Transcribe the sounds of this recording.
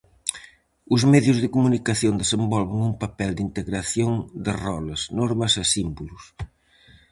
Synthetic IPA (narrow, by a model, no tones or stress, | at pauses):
ʊzmɛðjʊzðɪkumunikɐθjond̪esembɔlβɪŋumpɐpɛld̪int̪eɣɾɐθjoŋd̪ɪrɔlɐznɔɾmɐsɐsimbulʊs